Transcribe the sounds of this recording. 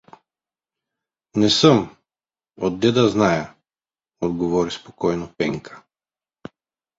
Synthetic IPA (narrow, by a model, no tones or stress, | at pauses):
nɛsəm | ɔd̪̚ːɛd̪aznaja | ɔd̪ɡɔvɔɾispɔ̥kɔjnɔpɛŋkʰḁ